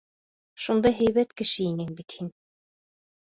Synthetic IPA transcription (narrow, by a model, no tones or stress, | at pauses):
ʃund̪ɑɦæjβæt̪kɘ̆ʃɘinɘŋbit̪hin